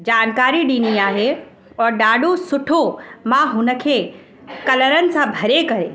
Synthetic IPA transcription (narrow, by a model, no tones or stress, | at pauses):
d͡ʑaːnkaːɾiɖiːniaːɦe | ɔːɾɖaːɖosʊʈʰomãɦʊnəkʰe | kɐləɾənɪ̆sãbʱɐɾekɐɾḛ